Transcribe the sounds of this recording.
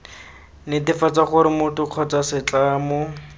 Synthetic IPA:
nɪtɪfat͡saχʊɾɪmʊtʊq͡χʰɔt͡sasɪt͡ɬaːmʊ

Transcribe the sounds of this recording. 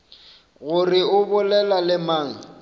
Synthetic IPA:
ɣʊrɪʊbʊlɛlalɪmaːŋ̩

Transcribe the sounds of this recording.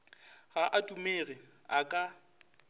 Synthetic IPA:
ɣaʔatʼumeːɣɪ | akʼa

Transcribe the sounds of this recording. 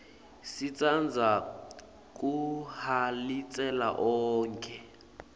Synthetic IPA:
sit͡sʼand͡zʱa | k̬ʼuhalit͡sʼɛla̰ʔɔːŋkʰʼɛ

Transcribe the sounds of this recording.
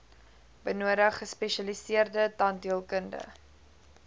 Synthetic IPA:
b̥ənuəɾəχəspɛʃɐlisiərdətɐndiəlˠkəndə̰

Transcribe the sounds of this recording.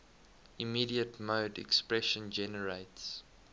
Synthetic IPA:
imiːɾiətmoʊdɛ̰kspɹɛʃə̃nd͡ʒɛnəɹeɪts

